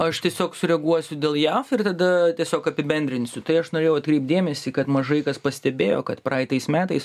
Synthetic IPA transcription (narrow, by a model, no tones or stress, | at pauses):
ɐʃt̪ʲiɛsʲoːksʊɾʲɛɡuɔsʲʊd̪ʲeːlˠjæːfɪrt̪ɐd̪ɐt̪ʲiɛsʲoːkɐpʲɪbʲɛnʲd̪ʲɾʲɪnʲsʲʊt̪ɐɪɐʃnoːɾeːjɛʊɐt̪̚kɾʲɛɪp̚t̚d̪ʲeːmʲɛsʲiːkɐt̪mɐʒɐɪkɐspɐsʲt̪ʲɛbʲeːjo̰ːkɐt̪prɐɪt̪ɐɪsmʲæːt̪ɐɪs